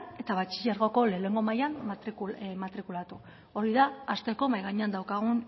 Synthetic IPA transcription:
e̞t̪aβat͡ʃi̥ʎaɾɣo̞ko̞le̞ne̞ŋɡo̞majanimat̪ɾikulat̪u | o̞ɾiðaast̪e̞ko̞majɣaɲeand̪awkaɣ̞un

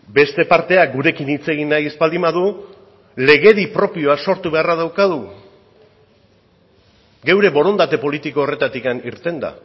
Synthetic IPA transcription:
be̞st̪e̞paɾt̪e̞aɡuɾe̞kinit͡se̞ɣinajespald̪imaðu | le̞ɣe̞ðipɾo̞pio̞aso̞ɾt̪uβe̞arað̞awkaðu | ɡe̞wɾe̞βo̞ɾo̞nd̪at̪e̞po̞lit̪iko̞ːre̞t̪at̪ikaniɾt̪e̞nd̪a̰

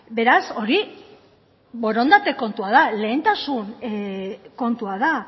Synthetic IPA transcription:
be̞ɾaso̞ɾi | bo̞ɾo̞nd̪at̪e̞ko̞nt̪uaðale̞ːnt̪asun | ko̞nt̪uaða

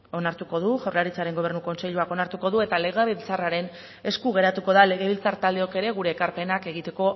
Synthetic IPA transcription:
onaɾt̪uko̞ð̞uʝawɾlaɾit͡saɾe̞ŋɡo̞β̞e̞ɾnuko̞nse̞ʎuako̞naɾt̪uko̞ðue̞t̪ale̞ɣ̞eβilt͡saraɾe̞n | e̞skuɣ̞e̞ɾat̪uko̞ðale̞ɣeβilt͡saɾt̪ald̪e̞o̞ke̞ɾe̞ɣ̞uɾe̞ːkaɾpe̞nake̞ɣ̞it̪e̞ko̞

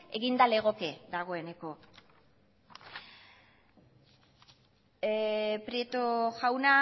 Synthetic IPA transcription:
e̞ɣind̪ale̞ɣ̞o̞ke̞ðaɣ̞o̞e̞ne̞ko̞ | pɾiet̪oʝawna

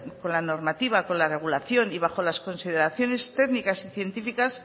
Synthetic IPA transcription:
ko̞nlano̞ɾmat̪iβ̞ako̞nlare̞ɣ̞ulaθjo̞niβ̞axo̞lasko̞nsið̞eɾaθjone̞st̪eɡnikasiθje̞nt̪ifikas

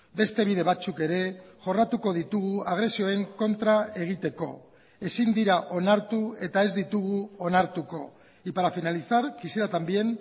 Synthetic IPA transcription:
be̞st̪e̞β̞iðe̞βat͡suke̞ɾe̞ʝo̞rat̪uko̞ð̞it̪uɣ̞uaɣ̞ɾe̞sio̞e̞ŋko̞nt̪ɾae̞ɣ̞it̪e̞ko̞̰ | e̞sind̪iɾaʔo̞naɾt̪ue̞t̪ae̞zd̪it̪uɣuo̞naɾt̪uko̞ | ipaɾafinaliθaɾkisiɾat̪ambie̞n

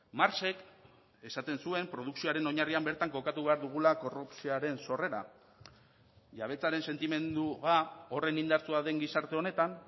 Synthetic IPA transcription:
maɾse̞k | e̞sat̪e̞nsue̞mpɾo̞ð̞uksioaɾe̞no̞ɲariambe̞ɾt̪aŋko̞kat̪uβe̞aɾðuɣ̞ulako̞rupsiaɾe̞nso̞re̞ɾa̰ | ʝaβ̞e̞t͡saɾe̞nse̞nt̪ime̞nd̪uɣao̞re̞nind̪aɾt͡suaðe̞ŋɡisaɾt̪e̞o̞ne̞t̪an

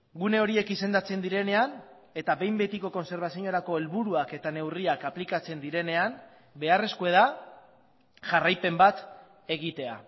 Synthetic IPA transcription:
ɡune̞o̞ɾie̞kise̞nd̪at͡se̞nd̪iɾe̞ne̞an | e̞t̪aβe̞jmbe̞t̪iko̞ko̞nse̞ɾβ̞asiɲo̞ɾako̞e̞lβuɾuake̞t̪ane̞wriakaplikat͡se̞nd̪iɾe̞ne̞an | be̞are̞skoe̞ða | ʝarajpe̞mbat̪ | e̞ɣit̪e̞a̰

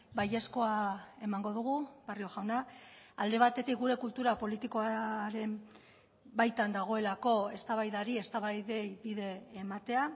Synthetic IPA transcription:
baje̞sko̞ae̞maŋɡo̞ðuɣ̞uβarioɣawnaald̪e̞β̞at̪e̞t̪ik̚ɡuɾe̞kult̪uɾapo̞lit̪iko̞aɾe̞m | bajt̪and̪aɣ̞o̞e̞lako̞e̞st̪aβajðaɾie̞st̪aβajðe̞jbiðe̞ːmat̪e̞a

